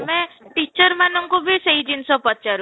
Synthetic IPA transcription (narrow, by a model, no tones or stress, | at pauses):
meʈit͡ʃɔɾmanɔŋkubʱiseɦid͡ʒinsɔpɔt͡ʃaɾu